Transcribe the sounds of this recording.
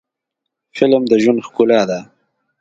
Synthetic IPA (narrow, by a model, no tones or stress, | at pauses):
fɪlmd̪əʒwunxkulɑd̪a